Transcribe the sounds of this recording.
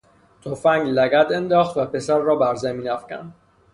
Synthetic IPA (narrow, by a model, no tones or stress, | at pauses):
t̪ʰofæŋɡlæɡæt̪e̞nd̪ɒːxt̪væpe̞sæɾːɒːbæɾzæmiːnæfcæ̰nd̪